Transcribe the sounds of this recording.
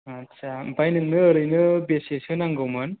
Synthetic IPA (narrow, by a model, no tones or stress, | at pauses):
ɐtːsʰabajnɯŋnɯːɾɯjnɯbesesɯnaŋɡowmɯn